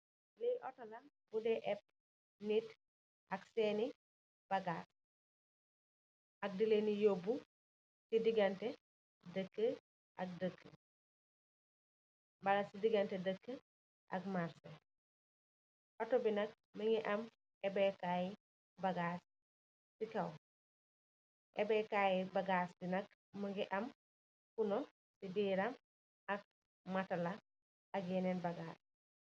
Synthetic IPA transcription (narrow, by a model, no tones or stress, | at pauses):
lijʔɔtɔlɐn | budɛʔɛp̚ | nit | ʔɐksɛːni | b̥ɐɡat | ɐk̚dilenijobu | sidiɡɐntɛ | dəkːə | ʔɐk̚dəkʰːə | bɐlɐsidiɡɐntɛdəkːə | ʔɐ̰k̚maɾse | pɐtobinɐk̚ | məŋiʔɐm | ɛbɛkaji | bɐɡaːs | sikɐw | ʔɛbɛkajibɐɡaːsdinɐk | mɐŋɡiʔɐm | kuno | sidiːɾɐm | ɐk̚ | mɐtɐlɐ | ɐkjɛnɛnbɐɡaːs